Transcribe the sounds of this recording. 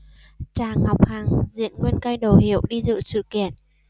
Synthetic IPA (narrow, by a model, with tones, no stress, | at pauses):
t͡ɕaː˨˩ŋa˨˩wk͡p̚haː˨˩ŋzḭ˧˨ənŋwi˧ənka˧jɗo˨˩ɦi˧˩˨əwɗi˧zɨ̰˧˨sɨ̰˧˨kḭ˧˨ən